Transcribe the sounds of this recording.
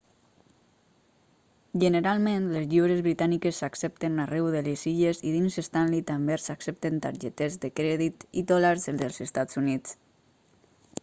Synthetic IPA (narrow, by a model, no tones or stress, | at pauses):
ʒənəɾalˠmẽnlezʎiwɾezβɾit̪anikesːaksɛp̚t̪enarɛwðeleziʎeziðinzest̪anlit̪ambesaksep̚t̪ent̪a̰ɾʒet̪ezðəkɾɛðit̪id̪ɔlaɾzðeðəlˠzest̪azunit͡s